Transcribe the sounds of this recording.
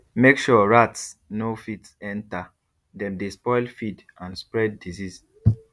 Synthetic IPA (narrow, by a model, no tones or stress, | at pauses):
mekʃuɹatsnofitsɛ̃nta | dɛ̃mdespɔɪlfid | ãnspɹɛd̚ːizis